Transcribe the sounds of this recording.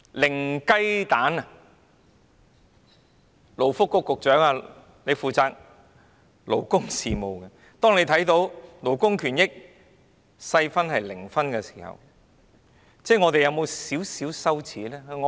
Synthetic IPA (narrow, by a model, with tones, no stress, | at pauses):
lɪ˨˩ŋkɐ˥jt̪aː˨˥nɐ˨ | lo˨˩wfʊ˥kːʊ˨˧kːʊ˨k̚t͡ʃœː˨˥ŋa˧ | le˨˧fuː˨˧t͡saː˧k̚ | lo˨˩wkʊ˥ŋsiː˨mo˨˩wkɐ˧ | t̪ɔː˥ŋne˨˧jt̪ʰɐ˨˥jt̪o˨˧˥wlo˨˩wkʊ˥ŋkʰyː˨˩njɪ˥k̚ | sɐ˧jfɐ˥nhɐ˨jlɪ˨˩ŋfɐ˥nkɛː˧si̥ː˨˩hɐ̰˨w | t͡sɛː˥˩ŋɔː˨˧t̪e˨jɐ˨˧wmo˨˧wsiː˨˥wsiː˨˥wsɐ˥wt͡sʰiː˨˥lɛː˥˨˧ŋɔ˧